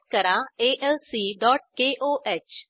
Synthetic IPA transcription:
kəɾãeʔɛlsiːɖɔːʈ̚keːʔoːʔeːt͡ʃ

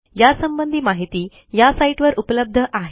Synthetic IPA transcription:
jasəmbənd̪ʱiːmaɦit̪iː | jasaiʈʋəɾʔupələb̚d̪ʱəʔaɦe

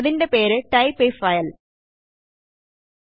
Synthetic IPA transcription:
ðinde̞pe̞ːɾɨʈɐjpefɐjɐl

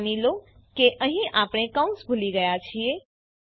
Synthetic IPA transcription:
nilo | keʔəɦĩʔapɽ̃ekãũsbʱuliɡəjat͡ʃʰie

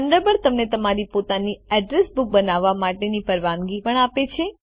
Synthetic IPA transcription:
ənd̪əbəɾt̪əmnet̪əmaɾipot̪aniɛɖɾesbuk̚bənaʋːamaʈenipəɾʋaŋɡipəɳapet͡ʃʰe

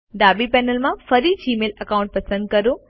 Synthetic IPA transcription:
ɖaːbipɛːnəlmãfɐɾid͡ʑiːmeːlɐkaʊ̃ɳʈ̚pɐsə̃nd̪̚kɐɾo

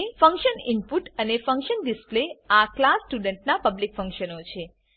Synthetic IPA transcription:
fə̃ŋkʃənimpuʈənefəŋkʃənɖɪspleaklasːʈuɖəɳʈnapəblikfə̃ŋkʃənot͡ʃʰe

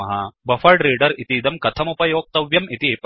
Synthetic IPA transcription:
ɐɦɐbɐfɐɾɖɾiːɖɐɾit̪iːd̪ɐmkɐt̪ʰɐmupɐjoːk̚t̪ɐʋjɐmit̪iep

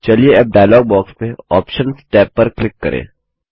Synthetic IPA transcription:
t͡ʃɐlieɛp̚ɖaːjlɔːɡ̚bɔːkspeɔːpʃənsʈɛːpːɐɾklɪkːɐ̰ɾʔḛ̃ː

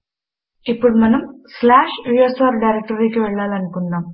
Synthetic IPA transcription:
ipːuɽumɐnɐmslaːʂujesaːɾɖɐjɾek̚ʈɐɾikiʋɛɭːaːlɐnukuɳːaːm

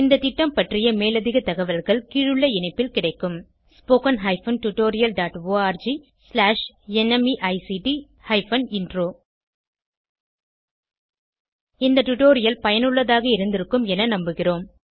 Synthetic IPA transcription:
ɪnd̪ɐt̪ɪʈːɐmpɐʈrɪjɐmeːlɐðɪɣɐt̪ɐɣɐʋɐlɣɐɭkiːɻɯɭːɐɪɳɐɪpːɪlkɪɽɐɪkːɯm | spoːkɐnɦɐɪfɐnʈʊʈːoːɾɪjɐlɖaːʈʋoːaːɾd͡ʒi | slaːʂ | ɛnɛmiʔɐɪsiʈi | hɐɪfɐnɪndroː | ɪnd̪ɐʈʊʈoːɾɪjɐlpɐjɐnɯɭːɐðaːɣɐɪɾɯnd̪ɪɾɯkːɯmɛnɐnɐmbɯɣɪroːm

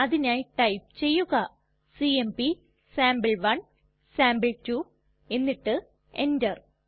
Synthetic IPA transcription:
ɐðinaːjʈɐjp̚t͡ɕe̞jːuɣɐ | siembi | saːmbɨɭʋɐn | saːmbɨɭtuː | e̞nːiʈːɨ | e̞̰ndɐr

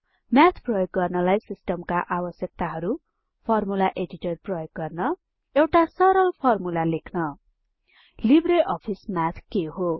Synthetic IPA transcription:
mjat̪ʰprʌjoɡːʌrnʌlajsisʈʌmkaʔabʌsjʌk̚t̪aɦʌɾu | pʰʌrmulaʔed͡ziʈʌrprʌjoɡːʌrnʌ | ewʈasʌɾʌlpʰʌrmulalekʰnʌ | libɾeʔʌpʰismat̪ʰkeɦo

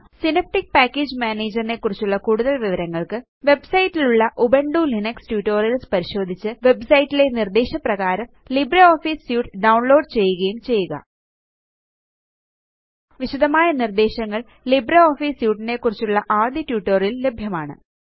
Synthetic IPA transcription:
sinɐp̚ʈik̚paːkːeːd͡ʑmaːneːd͡ʑɐrine̞kːurit͡ɕːuɭːɐkuːɽuðɐlʋiʋɐɾɐŋːɐɭkɨ | ʋe̞bsɐjitːiluɭːɐʔubeɳɖulinɐkstjuːʈːo̞ːrjɐlspɐɾiɕo̞ːd̪ʱit͡ɕːɨʋe̞bsɐjtːile̞nird̪eːɕɐprɐɣaːɾɐmlibɾɐoːfiːsjuːʈɖɐwɳlo̞ːɖt͡ɕe̞jːuɣɐjumt͡ɕe̞jːuɣɐ̰ | ʋiɕɐd̪ʱɐmaːjɐnird̪e̞ːɕɐŋːɐɭ | libɾɐoːfiːsjuːʈːine̞kːurit͡ɕːuɭːɐʔaːd̪jitjuːʈːoːrjilːe̞bʱjɐmaːɳɨ̰

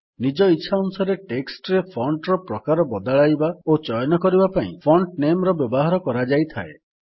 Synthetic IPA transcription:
nid͡ʒɔitːʃʰaunusɔɾeʈeksʈɔɾepʰɔɳɖɾɔpɾɔkaɾɔbɔd̪aɭajbaot͡ʃɔjɔnɔkɔɾibapaḭ̃pʰɔɳʈnemɾɔbjɔbɔɦaɾɔkɔɾad͡ʒajt̪ʰa̰e

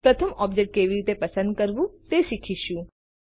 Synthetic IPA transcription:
pɾət̪ʰəmɔbd͡ʒek̚ʈ̚keʋiɾit̪epəsə̃nd̪̚kəɾʋũt̪eʃikʰiʃũ

